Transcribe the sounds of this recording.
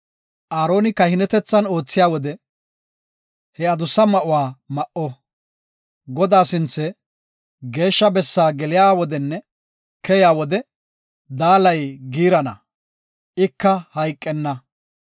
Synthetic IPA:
ʔaːɾo̞ːnɪkɐhɪnɛt̪ɛt͡sːɐno̞ːt͡sːɪjaːwɔd̪ɛ | hɛɐd̪ʊsɐmɐʔʊwaːmɐʔɔ | ɡɔd̪aːsɪnt͡sːɛ | ɡe̞ːʃːɐbɛsːaːɡɛlɪjaːwɔd̪ɛnːɛ | kɛjaːwɔd̪ɛ | d̪aːlɐjɡiːɾɐnɐ̰ | ɪkːɐhɐjkʼːɛnːɐ

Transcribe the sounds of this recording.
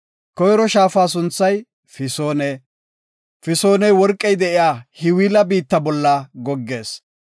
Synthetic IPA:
kɔjɾɔʃaːfaːs̬ʊnt͡sːɐj | fɪsoːnɛ | fɪsoːnɛjwɔɾkʼːɛjd̪ɛʔɪjaːhɪwiːlɐbiːt̪ːɐbɔlːɐɡɔɡːe̞ːs

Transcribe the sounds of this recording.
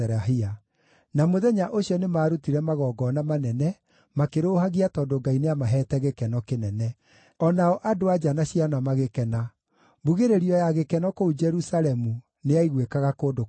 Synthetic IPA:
ɛɾaɦia | namoðɛɲaʔoɕiɔnemaːɾutiɾɛmaɣɔːɡɔnamanɛnɛ | makeɾoːhaɣiatɔːdoɡaineamaɦɛːtɛɣekɛnɔkenɛnɛ | ɔnaɔʔadoad͡ʒanaɕianamaɣekɛna | buɣeɾeɾiɔjaɣekɛnɔkoud͡ʒɛɾusaɾɛmu | neaiɣwekaɣakoːdo

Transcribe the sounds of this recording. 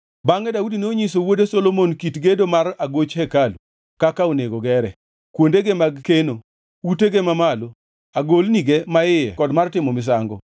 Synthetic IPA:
baŋɛdaudinoɲisowodesolomonkitɡedomaɾaɡot͡ʃhɛkalu | kakaoneɡoɡɛɾɛ | kwondeɡemaɡkeno | uteɡemamalo | aɡolniɡemaɪjɛ̰kɔdmartɪmɔmɪs̬aŋɡɔ̰

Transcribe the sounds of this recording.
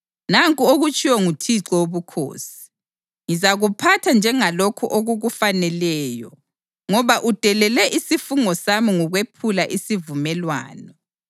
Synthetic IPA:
naŋkʼuoɣut͡ʃʼiwɔŋutʰiǁɔoβukʰo̰ːsi̥ | ŋizaɣupʰatʰand͡ʒʱɛŋalokʰuʔoɣuɣufanɛlɛːjɔ̰ | ŋɔβaʔud̥ʱɛlɛlɛʔisifuŋɔsamiŋɔɣwepʰulaʔisivumɛlwa̰ːnɔ

